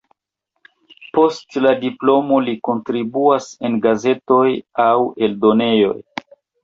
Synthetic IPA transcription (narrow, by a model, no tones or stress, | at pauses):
po̞stladiplo̞mo̞liko̞ntɾibuase̞nɡaze̞to̞jawe̞ldo̞ne̞jo̞̰j